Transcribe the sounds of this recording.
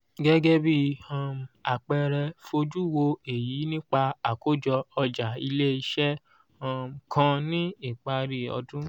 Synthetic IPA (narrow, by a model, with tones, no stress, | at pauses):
ɡɛ˦ɡɛ˦bi˦a˨m˨a˨k͡pɛ˧ɾɛ˧fo˧d͡ʒu˦˨wo˧e˨jiː˨˦nĩ˦k͡pa˧a˨ko˦d͡ʒɔ˧ɔ˧d͡ʒa˨i˧le˦i˧ʃɛ˦ | a˧m˨kʰã˧nĩ˦i˦˨k͡pa˧ɾi˦˨ɔ̰˧dũ˦